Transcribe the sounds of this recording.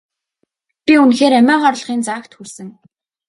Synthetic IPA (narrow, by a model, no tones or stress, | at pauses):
pʲiunxeːɾæmʲæːχɔrɮ̆χiːnt͡saːkt̪xursɘ̆ŋ